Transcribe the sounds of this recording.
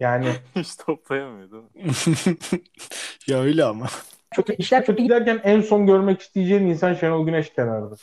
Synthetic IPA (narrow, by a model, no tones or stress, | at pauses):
jaːnɪhit͡ʃt̪ʰop̚lˠajamɯjd̪ɯm | jaøjlʲɛama | t͡ʃʰøt̪yiʃlʲæɾt͡ʃʰøt̪yɟid̪æɾcænænso̞nɟøɾmɛci̥st̪ʰijed͡ʒejininsanʃenolˠɟynɛʃc̪ʲʰenaɾd̪a